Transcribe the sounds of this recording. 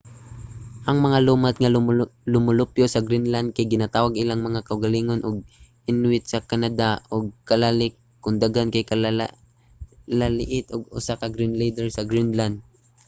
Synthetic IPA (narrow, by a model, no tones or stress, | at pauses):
ʔɐŋmɐŋaluːmat̪ŋalʊmʊlʊpjosɐɡɾinland̪̚kajɡɪnat̪aːwaɡʔɪlaŋmɐŋakɐʔʊɡɐliːŋonʔoɡ̚ʔɪnwɪt̪sɐkanad̪aʔoɡ̚kɐlalɪk | kːʊnd̪aɡankɐjkɐl | lalɪʔɪt̪ʔoɡ̚ʊ̰sakɐɡɾɪnlɛjd̪ɛɹsɐɡɾinland̪̚